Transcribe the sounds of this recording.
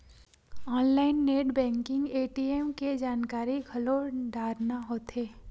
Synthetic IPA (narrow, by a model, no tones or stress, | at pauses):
ɔːnlaːɪnːeːʈbɛ̃ːŋkɪ̃ŋɡeːʈiːemked͡ʒaːnkaːɾiɡʱɐloːɖaːɾnaɦoːt̪eː